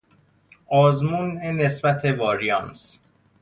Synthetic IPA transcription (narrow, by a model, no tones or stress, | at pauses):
ʔɒːzmunene̞sbæt̪ʰevɒːɾiɒːns